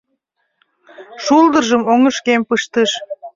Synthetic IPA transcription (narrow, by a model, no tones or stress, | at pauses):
ʃuld̪ərʒəmoŋəʃkempɨʃt̪əʃ